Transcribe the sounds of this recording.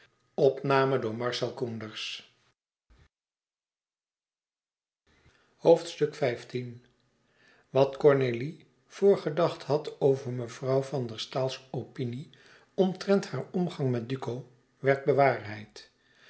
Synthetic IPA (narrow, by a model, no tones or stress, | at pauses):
ɔpnaːmədʊːɹmɑɹsɛlˠkundəɹs | howftstɵkfɛjftin | ʋɑtkɔɹneli | v̥ʊːɹχədɑχtɦɑtowvəɹməv̥rɑwvɑndəɹstaːlˠsopini | ɔmtrɛnthaːɹɔmχɑŋmɛt̚dykow | ʋɛɹd̚bəʋaːɹɦɛjt